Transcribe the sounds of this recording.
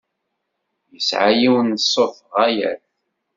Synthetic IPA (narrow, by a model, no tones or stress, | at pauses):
jəsʕajiwnsˤːoθəʁæjæ̰θ